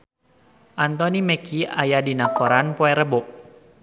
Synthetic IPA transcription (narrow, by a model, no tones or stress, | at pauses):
ʔant̪ɔniməkia̰jadinapɔɾanpɔɛɾəbɔʔ